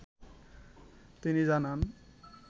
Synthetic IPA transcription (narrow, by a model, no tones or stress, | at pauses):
t̪inizanan